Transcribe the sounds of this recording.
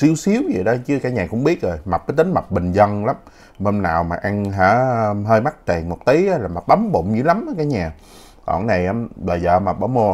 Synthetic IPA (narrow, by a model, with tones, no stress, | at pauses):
si˧əwsi˨˦əwzə˨˩ɗɔ˨˦t͡ɕɨ˨˦kaː˨˦ɲaː˨˩kʊ̰˧˥ŋ͡mɓi˦˥ət̚zo˨˩jma˨˩k͡p̚kaː˨˦t̪ï˨˦ŋ̟ma˨˩k͡p̚ɓï˨˩ŋ̟zə˧nla˨˦m | hə˧mnaː˨˩wmaː˨˩ʔa˧ŋɦa̰ː˧˥˧ɦəː˧jma˦˥k̚t̪e˨˩ŋmo˨˩k͡p̚t̪i˨˦ə˨˧laː˨˩ma˨˩t̚ɓə˨˦mɓo̰˧˨ŋ͡mɲɨ̰˧˦la˨˦mʔəː˨˦jkaː˨˦jɲaː˨˩ | kɔ̰˧˩ŋna˨˩jʔə˨˦mɓəː˨˩zəː˨˩maː˨˩ɓɔ˧˦mo˧